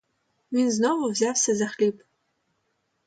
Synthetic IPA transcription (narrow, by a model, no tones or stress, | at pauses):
winznoʁuvzaːfsɐzɐχliːpʼ